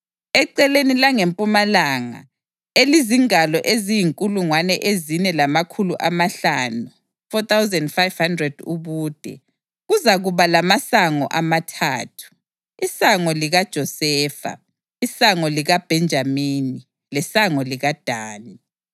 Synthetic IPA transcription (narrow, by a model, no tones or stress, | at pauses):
ɛǀɛlenilaŋempʼumalaːŋa̰ | eliziŋalɔʔezijiŋkʼuluŋwanɛʔezinɛlamakʰuluʔamaɬaːnu | fɔt̪awzɛndfajv̥handrɛd̥uβuːd̥ʱɛ̰ | ɣuzaɣuβalamasaŋɔ̰ʔamatʰaːtʰu̥ | isaŋɔliɣad̥ʒ̥ʱɔsɛːfa̰ | isaŋɔliɣab̥ʱɛnd͡ʒʱamini | lɛsaŋɔliɣad̥ʱaːni